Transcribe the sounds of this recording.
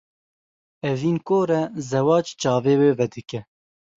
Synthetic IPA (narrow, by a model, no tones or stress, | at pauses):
ɛviːnkoːɾɛzɛwɑːt͡ʃt͡ʃɑːveːweːvɛd̪ɨkɛ